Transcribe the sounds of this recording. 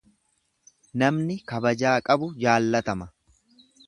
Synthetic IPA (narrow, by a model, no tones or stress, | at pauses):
nɐmnɪkɐbɐd͡ʒaːkʼɐbʊd͡ʒaːlːɐt̪ɐmɐ